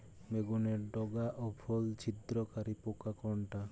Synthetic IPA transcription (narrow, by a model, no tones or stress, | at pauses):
meɡuneɾɖɔɡaʔɔpʰɔlt͡ʃʰit̪ɾɔkaɾipokakɔɳʈa